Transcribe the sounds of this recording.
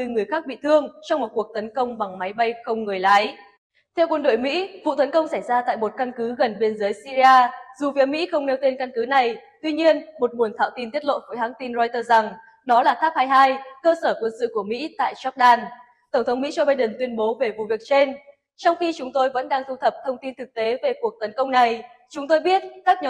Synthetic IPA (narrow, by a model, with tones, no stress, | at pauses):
t̪ɨ˧ŋɨ˨˩əjxaː˦˥k̚ɓḭ˧˨t̪ʰɨ˧əŋt͡ɕɔ˧wŋ͡mmo˨˩t̚ku˨˩ək̚t̪ə˨˦nkə˧wŋ͡mɓa˨˩ŋma˨˦jɓa˧jxə˧wŋ͡mŋɨ˨˩əjlaː˨˦j | t̪ʰɛ˧wkwə˧nɗo̰˧˨jmḭ˧˥vṵ˧˨t̪ə˨˦nkə˧wŋ͡msa˧˩jzaː˧t̪a̰ː˧˨jmo˨˩t̚ka˧nkɨ˨˦ɣə˨˩nɓi˧ənzəː˨˦jsi˧zi˧aː˧zu˨˩vi˨˦mḭ˧˥xə˧wŋ͡mne˨˧wt̪e˧nka˧nkɨ˨˦na˨˩jt̪wi˧ɲi˧ənmo˨˩t̚ɓu˨˩ənt̪ʰa̰ː˧˨wt̪i˧nt̪i˦˥ət̚lo̰˧˨vəː˨˦jɦaː˨˦ŋt̪i˧nzɔ˧jt̪əː˧za˨˩ŋ | ɗɔ˨˦laː˨˩t̪ʰaː˦˥p̚haː˧jɦaː˧jkəː˧səː˧˩kwə˧nsɨ̰˧˨ku˧˩əmḭ˧˥t̪a̰ː˧˨jzɔ˦˥t̚ɗaː˧n | t̪ə˧˩wŋ͡mt̪ʰə˨˦wŋ͡mmḭ˧˥zo˧ɓaː˧jɗɨ˨˩nt̪wi˧ənɓo˨˦ve˨˩vṵ˧˨vi˨˩ək̚t͡ɕe˧n | t͡ɕɔ˧wŋ͡mxi˧t͡ɕʊ˨˦ŋ͡mt̪o˧jvə̰˧˥nɗaː˧ŋzu˧t̪ʰə˨˩p̚t̪ʰə˧wŋ͡mt̪i˧nt̪ʰɨ˨˩k̚t̪e˨˦ve˨˩ku˨˩ək̚t̪ə˨˦nkə˧wŋ͡mna˨˩j | t͡ɕʊ˨˦ŋ͡mt̪o˧jɓi˦˥ət̚kaː˦˥k̚ɲə˨˧